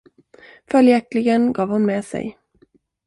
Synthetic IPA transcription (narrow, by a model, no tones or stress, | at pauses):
fœljæklɪɡənɡɑːvhʊnmeːsɛ̰j